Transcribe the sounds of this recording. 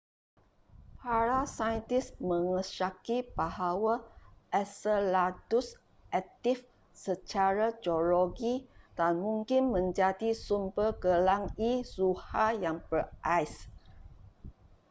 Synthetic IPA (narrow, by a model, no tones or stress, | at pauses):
paɾasajənt̪ɪsmə̃ŋəʃakibaɦawaʔɛsəladus | ʔɛk̚t̪if | sət͡ʃaɾad͡ʒoloɡid̥anmũŋkɪnmə̃ɲd͡ʒadisumbərɡəlaŋisuhajaŋbərʔajs